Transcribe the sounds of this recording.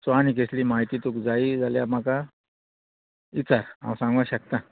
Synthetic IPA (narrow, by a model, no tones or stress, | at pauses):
t͡sanikesliːmaɦit̪iːt̪ukd͡zaid͡zaljam̤aka | it͡saɾã̰wsãŋɡʋaɕək̚t̪ã